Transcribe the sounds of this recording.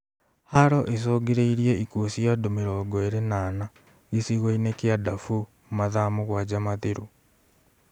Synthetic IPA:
haɾɔʔes̬oːɡeɾeiɾieikosiadomeɾɔɡɔeɾenaːna | ɣisiɣoinekeadafu | maðamoɣwad͡ʑamateɾo

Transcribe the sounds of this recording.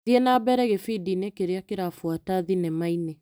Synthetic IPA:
iɛnabɛɾɛɣefidinekeɾeakeɾafwataðinɛmaine

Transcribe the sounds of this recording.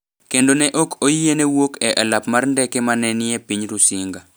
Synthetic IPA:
kendonɛʔokojienewokɛʔɛlapmarndɛkemanɛnɪɛpiɲɾusiŋɡa

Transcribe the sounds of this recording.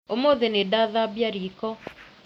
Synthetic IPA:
omoðenedaðabjaɾikɔ

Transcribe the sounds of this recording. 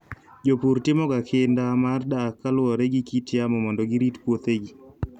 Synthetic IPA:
d͡ʒopuɾtɪmɔɡakʰɪndamardakːalwɔɾeɡikitjamɔmɔndɔɡiɾitpwot̪eɡi

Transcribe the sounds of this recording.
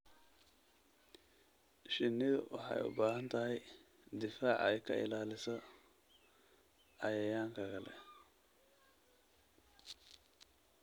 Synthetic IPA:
ʃɪnːɪðʊ̰wɑ̰ħɑ̰jʊ̰baːɦɐnt̪ʰɐɦɛj | d̪ɪfaːʕɛ̰jkʰɐ̰ɪ̰laːlɪsɐ | ɐjɐjaːŋkʰɐɣɐlɛ̰

